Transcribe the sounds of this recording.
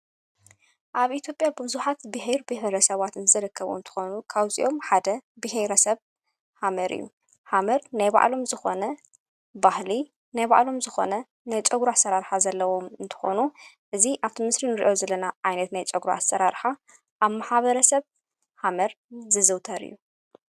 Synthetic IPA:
ʔaβʔit̪ʰjo̞pʼjabɨzuħat̪bɨɦeɾbɨheɾɐsɐβat̪ɨnzɨɾɨkʰːɐβṵɨnt̪ʰɨ̥xonukʰaβzḭʔo̞mħad̪ɐbɨheɾɐsɐβ | hamɐɾɨ̰jːṵ | hamɐɾnajba̰ʕlo̞mzɨxo̞̰nɐ | bahli | najba̰ʕlo̞mzɨxo̞̰nɐ | najt͡ʃʼɐɡɾuasːɐɾaɾħazɐlːɐwo̞mɨnt̪ʰɨ̥xo̰nu | ʔɨziʔaβt̪ʰimɨsɾinɨɾḭʔo̞zɐlːɐnaʕajnɐt̪najt͡ʃʼɐɡɾuʔa̰sːɐɾaɾħa | ʔaβmaħaβɐɾɐsɐβ | hamɐɾ | zɨzɨwt̪ʰɐɾɨ̰jːu

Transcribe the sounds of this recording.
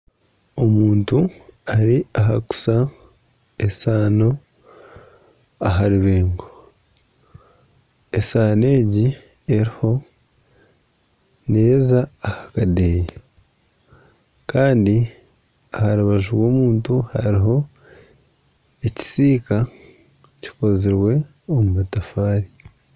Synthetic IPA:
o̞muːntuaɾiaɦaku̥sa | esaːno̞ | aɦaɾiβe̞ːŋɡo | esaːne̞ːɟi | e̞ɾiho̞ | nejzaːhakadeːje | kaːndi | ahaɾuβaʒuɾwo̞ːmuːntuha̰ɾiɦo̞ | eci̥siːka | ci̥ko̞ziɾwe̞ | omumatafaːɾi

